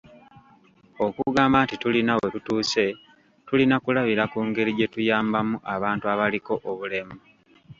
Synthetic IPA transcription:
o̞kuɡaːmbantitulinawetutuːse̞ | tulinakulaβiɾakuːŋɡe̞ɾiɟe̞tujaːmbamuʔaβaːntuaβaliko̞ʔoβule̞mu

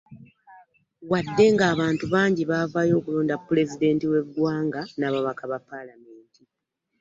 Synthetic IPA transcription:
wadːe̞ŋɡaːβaːntuβaːɲɟiβaːvaːjo̞ːkuloːndapːule̞zide̞ːntiwe̞ɡɡwaːŋɡanaβaβakaβapːalame̞ːnti

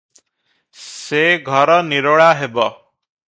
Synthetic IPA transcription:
seɡʱɔɾɔniɾoɭaɦebɔ

